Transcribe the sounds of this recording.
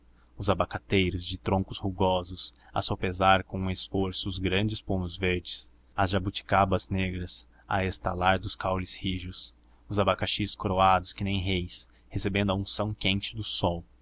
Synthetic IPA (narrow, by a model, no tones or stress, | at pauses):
ʊzabakat̪ejɾʊzd͡ʒɪt̪ɾõŋkʊshuɡɔzʊsɐ̰sopezaɾkõũesfoɾsʊːzɡɾɐ̃nd͡ʒɪspõnʊzveɾd͡ʒɪs | ɐzʒabut͡ʃi̥kabɐzneɡɾɐs | ɐ̰est̪a̰laɾd̪ʊskawlɪshiʒʊs | ʊzabakaʃiskoɾoad̪ʊskɪnẽj̃ɦejs | hesebẽnd̪ʊɐũsɐ̃w̃kẽnt͡ʃɪd̪ʊsɔw